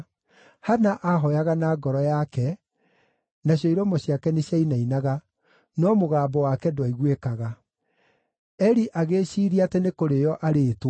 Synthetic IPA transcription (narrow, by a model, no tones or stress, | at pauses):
hanaʔaɦɔjaɣanaːɡɔɾɔjakɛ | naɕ̬jɔiɾɔmɔɕiakɛneɕjainainaɣa | nɔmoɣaːbɔwakɛdwaiɣwekaɣa | ɛɾiʔaɣeːɕiːɾiatɛnekoɾejɔʔaɾet